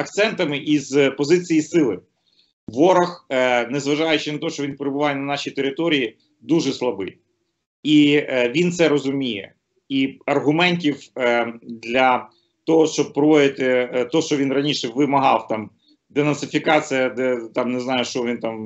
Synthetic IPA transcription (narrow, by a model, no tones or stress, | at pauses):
ɐk̚t̪sɛnt̪ɐmɪʔizpɔzɪt͡sʲijisɪlˠɪ | ʋɔɾɐxnɛzʋɐʒɑjʊt͡ʃɪnɐt̪ɔɔʃt͡ʃɔʋʲinpeɾebʊʋɑjɛnɐnɑʃʲit̪eɾɪt̪ɔɾʲiji | d̪uʒɛslˠɐbɪ | iʋʲint̪sɛɾɔzʊmʲijɛ̰ | iɐrɦʊmɛnʲtʲiw | d̪lʲɐ | t̪ɔɦɔʃt͡ʃɔb̚pɾɔʋɔd̪ɪt̪ɪt̪ɔʃt͡ʃɔʋʲinrɐnʲiʃɛʋɪmɐɦɑwt̪ɑm | d̪enɐnsɪfʲikɑt͡sʲijɐd̪ɛt̪ɑmneznɑjʊʃt͡ʃɔʋʲint̪ɑm